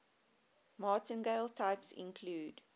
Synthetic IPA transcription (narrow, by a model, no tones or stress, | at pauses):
mɑːˑtə̃nɡeɪlˠtʰaɪpsɪ̰̃nkʰluːd